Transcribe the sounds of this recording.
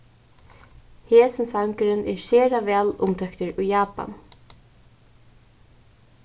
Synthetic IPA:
heːsɪnsaŋkɪɾɪnʔɛɹseːɾavɛːlʊmt̪ʰɛkt̪ɪɹujjaːpa̰n

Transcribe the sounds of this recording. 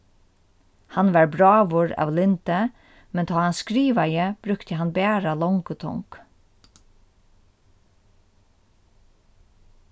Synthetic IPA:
hanʋaɹbɾaːʋʊɹa̰ːʋlɪnt̪ə | mɛnt̪ʰaːhanskɾiːʋajəb̥ɾʏkt̪əɦanbɛːɹalɔŋkʊt̪ʰɔ̰ŋk

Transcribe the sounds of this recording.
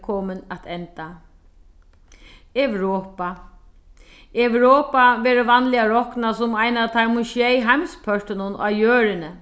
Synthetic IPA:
kʰɔːmɪnat̪ʰɛnt̪a | ɛʋɾɔːpa | ɛwɾoːpaʋɛːɾəʋanlɪaɾɔknasʊmajnat̪ʰaɾmʊʃjɛjɦajmspʰœʂt̪ɪnʊna̰ːjøːɾɪnə

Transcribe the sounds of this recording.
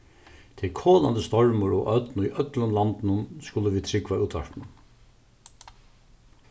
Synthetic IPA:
t̪ʰɪkʰɔːla̰nd̪əst̪ɔɹmʊɾɔœt̪niʔœt̪lʊnlant̪ɪnʊnskʊləʋiːt̪ʰɾɪkʋauːt̪ʰʋa̰ɹpnʊn

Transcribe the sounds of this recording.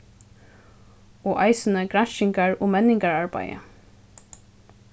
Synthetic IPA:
ɔːʔajsənəɡɾanʃɪŋkaɹɔːmɛnɪŋkaɹaɹba̰jə̰

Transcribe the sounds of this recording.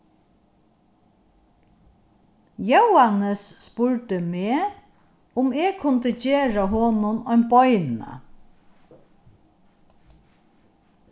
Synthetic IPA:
jəwhɑnəsːpʊɹʈəmeː | ʊmeːkʰʊnt̪əd͡ʒeːɹaɦɔnʊnɔʏnbɔʏnə̰

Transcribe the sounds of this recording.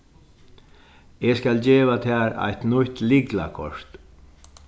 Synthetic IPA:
eːskald͡ʑeːʋat̪ʰæːɾa̰jt̪nʊt̪lɪɡla̰kʰɔʂt̪

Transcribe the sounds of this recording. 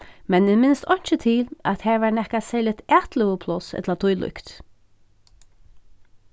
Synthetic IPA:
mɛnɪmɪnst̪ɔɲ̥t͡ʃət̪ʰɪlat̪hɛɹvaɹnɛhkasɛlɪt̪æːt̪ləɣəpʰlʊsɛ̰t̪ʰlat̪ʰʊjlʊ̰kt̪

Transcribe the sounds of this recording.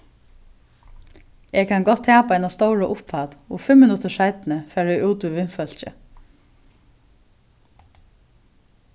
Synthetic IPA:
ɛkʰanɡɔt̪ʰːɛːpaaɪnast̪owɹəʔʊpʰaːt̪ɔfɪmːɪnʊt̪əʂaɪt̪nəfæːɹɛuːt̪uʋɪnfœl̥t͡ʃɪ̰

